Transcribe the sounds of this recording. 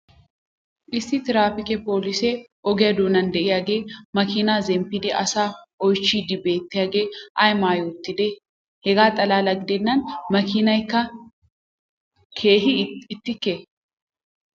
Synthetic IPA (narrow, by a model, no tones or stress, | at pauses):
ʔɪsːɪt̪ɪɾaːfɪkɛpo̞ːlɪsɛ | ʔɔɡɛjɐd̪oːnɐnd̪ɛʔɪjaɡe̞ːmɐkɪnaːzɛmpːɪd̪ɪʔɐ̰saː | ɔjt͡ʃːiːd̪ɪbe̞ːt̪ːɪjaːɡe̞ːʔɐjmaːjuːt̪ːɪd̪ɛ | hɛɡaːt̪ʼɐlaːlɐɡɪd̪ɛnːɐnmɐkɪnɐjkːɐ | kʰeːɦɪɪt̪ːɪkːe